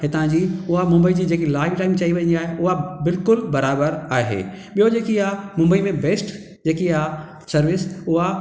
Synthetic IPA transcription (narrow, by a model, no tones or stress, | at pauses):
ɦɪt̪ãd͡ʑiːʊɦamʊ̃mbəid͡ʑiːd͡ʑeːkilaːɪʋʈaːɪmt͡ɕɐɦiʋɐ̃ɲə̃ndiaːɦeʊɦabɪlkʊlbɐɾaːbəɾaːɦḛː | ɓijod͡ʑeːkijamʊ̃mbəimẽbeːsʈ | d͡ʑeːkia | sɐɾʋɪsʊɦa